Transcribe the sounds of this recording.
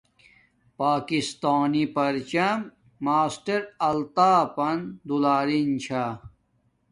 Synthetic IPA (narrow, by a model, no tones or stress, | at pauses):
paːkist̪aːnipɐɾt͡ɕɐmː | aːsʈɐɾɐlt̪aːpɐnd̪ulaːɾint͡ɕʰaː